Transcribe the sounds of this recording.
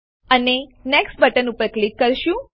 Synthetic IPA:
əneneksʈ̚bəʈənupəɾklikːəɾʃũ

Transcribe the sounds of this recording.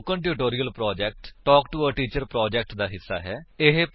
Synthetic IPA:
kə̃ɳʈ̬juːʈoːɾiːəlpɾɔːd͡ʒɛːk̚ʈʈɔːkʈuəʈiːt͡ʃəɾpɾɔːd͡ʒɛːk̚ʈd̪aːɦɪsːa̰ːɦɛːɪɦep

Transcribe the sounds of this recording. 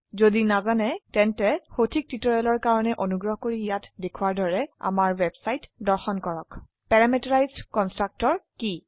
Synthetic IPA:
zodinazanɛtɛntɛxotʰik̚titɔɹɛlɔɹkaɹɔnɛʔonuɡɹɔɦɔkoɹiijatdekʰwaɹdɔɹɛa̰maɹwɛbsajtdɔɹxɔnkɔɹɔk | pɛɹamɛtɔɹajzdkɔnstɹak̚tɔɹki

